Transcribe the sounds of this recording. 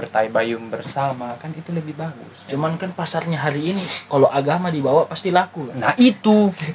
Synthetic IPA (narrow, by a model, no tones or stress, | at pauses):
bərt̪aibajʊmbərsamakanit̪uləbɪhbaɡʊ̰st͡ʃumankanpasarɲaɦaɾiːnikaloʔaɡamadibawaʔpast̪ilakukana̰hʔit̪u